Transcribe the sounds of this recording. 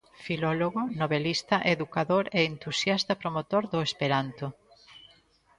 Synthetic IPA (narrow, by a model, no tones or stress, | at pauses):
filɔloɣonoβelist̪ɐʔeðukaðoɾeːnt̪usjast̪ɐpɾomot̪oɾðʊespeɾant̪o